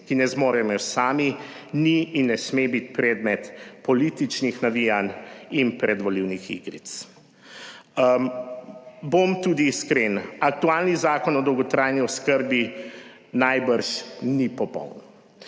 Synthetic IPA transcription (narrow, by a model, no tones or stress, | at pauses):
kinɛzmoːɾɛmjɔsaːmi | niːnːɛsmebit̪pɾɛd̪mɛt̪pɔliːt̪it͡ʃnixnaʋijaninpɾɛd̪ʋɔliwnixḭɡɾḭt̪s | bomt̪ud̪iːskɾenak̚t̪uaːlnizaːkɔnɔd̪ɔwɡɔt̪ɾaːjniɔskəɾbi | najbəɾʃnipɔpɔ̰wn